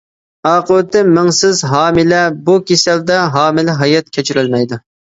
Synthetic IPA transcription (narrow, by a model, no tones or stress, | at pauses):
ɑːqʊwt̪ːɪmɪŋsɪzɦɑːmɪlɛbukʲʰesɛld̪ɛɦɑːmɪlɪɦɑjɛt̪̚kʲʰɛt͡ʃʰyɾylmɛjd̪u